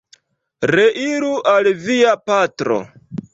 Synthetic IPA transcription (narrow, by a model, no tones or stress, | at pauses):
ɾe̞ʔiɾuʔalviapatɾo̞̰